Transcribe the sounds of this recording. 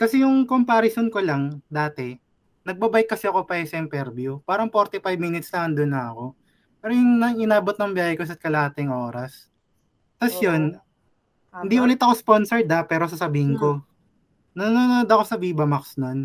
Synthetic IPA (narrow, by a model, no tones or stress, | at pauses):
kɐsɛjʊŋkompaɾɐsonkolɐŋd̪aːt̪ɛ | nɐɡ̚bɐbajɪkːɐsɛɐko̞pɐsɛŋpɛɾbjʊpaːɾɐŋpoɾt̪ɪfajbmiːnɪt̪slɐŋɐnd̪onːɐɐko̞ | pɛːɾojʊŋnɐŋɪnaːbot̪nɐŋbjaːhɛkosɐt̪̚kɐlɐaːt̪ɪŋʔo̞ːɾɐs | t̪ɐsjon | hnd̪iʔʊːlɪt̪ɐko̞sponsɛɹd̪ɐpɛːɾo̞s̬ɐsɐbiːhɪnko̞ | nɐnoːnood̪ɐko̞sɐbiːbɐmɐksnon